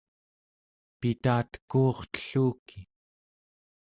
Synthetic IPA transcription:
pit̪aːt̪ə̥kuːχt̪ə̥ɬuːkʰi

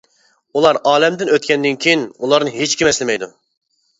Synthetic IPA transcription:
ulˠɑɾɑːlɛmd̪ɪnøt̪̚kʲɛnd̪ɪnkʲʰejinulˠɑɾnɨɦet͡ʃkʲʰimɛslɪmɛjd̪u

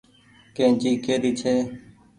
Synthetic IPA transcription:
kẽːt͡ʃiːkeːɾiːt͡ʃʰeː

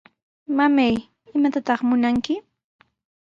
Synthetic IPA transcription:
mamaj | ɪmat̪at̪ɑχmʊnaŋkɪ

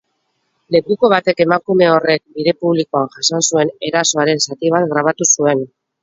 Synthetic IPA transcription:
le̞kuko̞β̞at̪e̞ke̞makume̞o̞re̞k̚biɾe̞puβlikoanʝasonsue̞ne̞ɾaso̞aɾe̞nsat̪iβ̞at̪ɡɾaβ̞at̪usue̞n

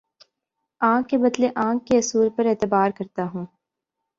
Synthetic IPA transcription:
ãːkːebɐd̪leʔãːkːeɐsuːɾpɐɾeːt̪ɪbaːɾkɐɾt̪aɦũː

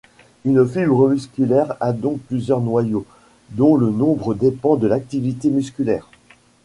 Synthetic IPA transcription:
ynfibʁəmyskʲylɛʁad̪ɔ̃k̚plyzjœʁnwajo | d̪ɔ̃lənɔ̃bʁəd̪epɑ̃d̪əlak̚t̪ivit̪emyskʲylɛːʁ

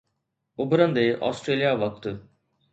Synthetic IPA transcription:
ʊbʱɾənd̪eːʔɔ̰ːsʈɾeːlijaʋɐk̚t̪

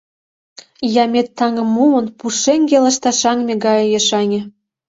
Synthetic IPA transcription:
jɑmʲet̪ːɑŋə̆mːumə̆npuʃeŋɡʲelə̆ʃt̪ɑʃɑŋmʲeɡɑjɤjeʃɑnʲĕ

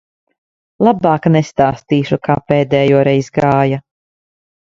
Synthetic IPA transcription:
lˠabaːknest̪aːst̪iːʃukaːpeːd̪ɛːjuɔɾɛjzɡaːja

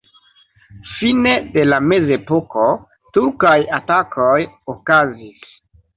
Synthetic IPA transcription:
fine̞de̞lame̞ze̞poko̞ | tuɾkajatakʰojokazis

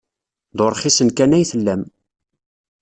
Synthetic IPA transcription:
ðoɾˤχisənkænæjθəlːæm

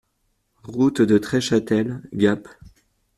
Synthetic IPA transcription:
ʁut̪d̪ət̪χɛʃat̪ɛlɡʲap

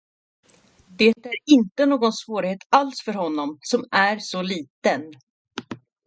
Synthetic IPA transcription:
d̪eːt̪æɾɪnt̪ənoːɡɔnsvoːɾɪheːt̪alsfœɾɦɔnːɔmsɔmæɾsɔliːt̪ən

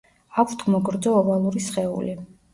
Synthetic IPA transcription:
akʷʰt̪ʰmɔɡɾd̪zɔːvalˠuɾisχɛṵli

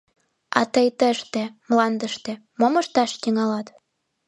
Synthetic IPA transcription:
ɑ̰t̪əjt̪əʃt̪ĕmlɑnd̪əʃt̪ĕ | momə̆ʃt̪ɑʃt̪iŋɑlɑt̪

